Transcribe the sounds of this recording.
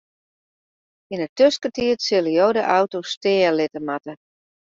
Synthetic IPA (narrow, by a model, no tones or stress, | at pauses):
inətøskətiətsɪləjoːdəʔawtostɪːəlɪtəmatə